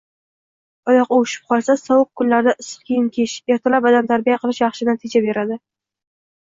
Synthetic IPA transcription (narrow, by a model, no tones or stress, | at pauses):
ɒjɒqʊʊʃɪ̥p̚qʰɒlˠsasɒwʊq̚kʰʊnlaɾd̪aʔɪsɨ̥qkʲʰejɪnkʲʰeʃe̞ɾt̪ʰalapad̪amt̪ʰaɾbijaqʰɨlˠɪʃjɑχʃɪnat̪ʰɪd͡ʒabe̞ɾad̪ɪ